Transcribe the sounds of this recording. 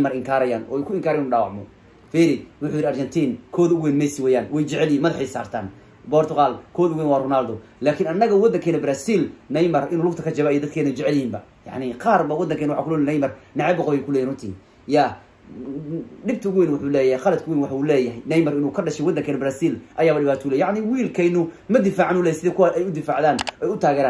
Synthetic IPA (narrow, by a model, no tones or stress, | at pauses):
mɐrɪŋkʰaːɾɐjaːnʔɔ̰ːkʰʊɪŋkʰaːɾɛjɪnuːɖaːwɑ̰ʕmɔ̰ | fɛːɾɪwʊħuːjɪɾɪɐrt͡ʃɛnt̪ʰiːnkʰɔːðʊɣwɛːnmɛjsɪwɛːjaːnwɛjt͡ʃɛʕɛljiːnmɐðɐħɛjsa̰ːrt̪ʰaːn | bɔːrt̪ʰʊqaːlkʰɔːðʊɣwɛːnwɑːrʊnaːld̪ɔlaːkʰɪnɐnːɐɣɐwɔd̪ɐŋkʰɛːnɐbɾaːsiːlnɛjmɐrʔɪnuːlʊk̚t̪ʰɐkʰɐt͡ʃɐβaijɔd̪ɐd̪kʰɛːðnɛt͡ʃɛʕɛlɪhiːmbɐ | jɑ̰ʕnɪqɑːrbɐwɑd̪ːɐŋkʰɛjnʊwħakʊlɛjnnɛjmɐrnɛʕɛbɐqɔβjkʰʊlɛːjːnrʊnt̪ʰḭː | jaː | ɖɪb̚t̪ʰɐʊɣʊwɛːnwʊħuːlɛːjhɛjqɑlɐd̪̚kʰʊwiːnwɑħɑuːlɛːjɐɦɛjnɛjmɐɾɪnuːkʰɐɖɐʃɛjwɔd̪ːɐŋkʰɛːnɐbɾaːsiːlʔɐjaːβɐɖɪβaːt̪ʰɔulɛːjaʕnɪwiːlkʰɛjnʊmɐd̪ɪfaːʕanuːlɛːjjsɪðɛːkʰʊwaɛjʊd̪ɪfaːʕðaːnɛjʊt̪ʰaːɣɛːɾaːn